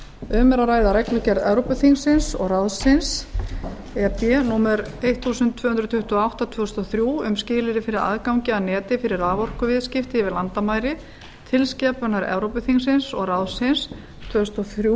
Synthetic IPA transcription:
ʏːmɛɾaraːjðaɾɛknlʏcɛɾðɛvɾowpʏθiŋsɪnsɔ̰ɣraðsɪns | ɛp̪ɛnuːmɛɾejht̪θuːsʏnt̪ʰːvœːhʏnd̪ɾt̪ʰʏht̪ɔawht̪at̪ʰv̥œːʏst̪ɔθɾjuːʏmscɪːlɪɾɪfɪɾɪɾa̰ðkawŋcɪaðnɛːt̪ɪfɪɾɪɾaːvɔr̥kʏvɪðscɪft̪ɪvɪlant̪amaːjɾɪ | t̪ʰɪlscɛːpʏnaɾɛ̰vɾowpʏθiŋsɪnsɔɣraðsɪns | t̪ʰv̥œːʏst̪ɔθɾu

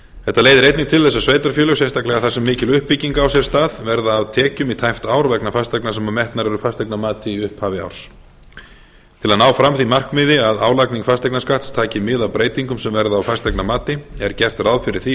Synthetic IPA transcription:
θɛht̪aleːjðɪɾejt̪nɪŋ̚t̪ʰɪlθɛsːasveːjt̪aɾ̥fjœːlʏsɛst̪ahklɛɣaθasɛmːɪːcɪlʏhpːiciŋkaawsjɛɾ̥st̪aːðvɛɾðaːwt̪ʰɛːcʏmit̪ʰajft̪aːwɾvɛknafast̪aknasɛmamɛht̪naɾɛɾʏfast̪ajknamaːt̪ɪiʏhphaːvɪa̰wɾ̥s | t̪ʰɪlaðnaːwfɾamθimar̥kmɪːðɪaðaːwlakniŋkfast̪ajknaskaht̪st̪ʰaːcɪmɪðawpɾeːjt̪iŋkʏmsɛmvɛɾðaːwfast̪ajknamaːt̪ɪɛɾcɛr̥t̪rawðfɪɾɪɾ̥θi

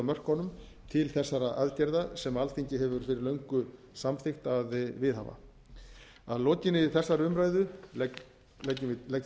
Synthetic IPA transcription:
mœr̥kɔnʏm | t̪ʰɪlθɛsːaɾaʔaðcɛɾðasɛmalt̪ʰiɲcɪɦɛvʏɾ̥fɪɾɪɾlœɥŋkʏ | samθɪxt̪aðvɪðɦa̰va̰ | aðlɔːcɪnɪθɛsːaɾʏmɾaːjðʏ | ɛcːʏɪlɛc

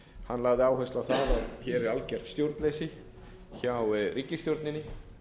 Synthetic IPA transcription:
hanːlaɣðɪaːwɦœst̪awθaðaðçɛɾɛɾalcɛr̥t̪st̪jowɾt̪lejsɪ | çawriːcɪst̪jowɾt̪nɪnːɪ

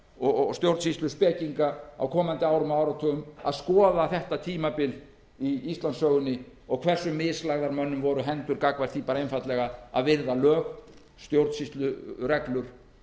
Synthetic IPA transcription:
ɔst̪jowɾt̪sist̪lʏspɛːciŋkaa̰wkʰɔːmant̪ɪaːwɾʏmaːwɾat̪ʰʏʏma̰ðskɔːðaθɛht̪at̪ʰiːmapɪl | iist̪lansœːɣʏnːɪ | ɔɣkʰvɛr̥sʏmːɪðslaɣðaɾmœnːʏmvɔɾʏɦɛnt̪ʏɾkakvaɾ̥θipaːɾaejnfat̪lɛɣaa̰ðvɪɾðalœːx | st̪jowɾt̪sist̪lʏrɛklʏɾ̥

